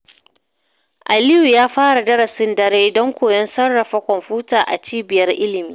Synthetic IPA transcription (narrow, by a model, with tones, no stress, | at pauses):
ʔa˨lɪ˦ju˨jaː˦ɸaː˦ɽa˨dɐ˦ɾɐ˨sɪ˦ndɐ˦ɾeː˦dɔ˦ŋkʷoː˨jɔ˦nsɐ˦rːɐ˨ɸa˦kʷɔ˨mɸuː˦taː˨ʔa̰˨t͡ʃiː˦bɪ˨jɐ˦rʔɪ˦lɪ˨miː˦